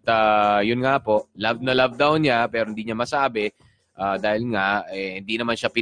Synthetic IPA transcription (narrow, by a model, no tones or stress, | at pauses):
t̪ajʊnŋapo̞ʔlavnɐlavd̪awnɲapɛːɾo̞hɪnd̪iːɲamɐsaːbɛ | ʔad̪aːhɪlŋaɛhɪnd̪inɐmanʃapɪ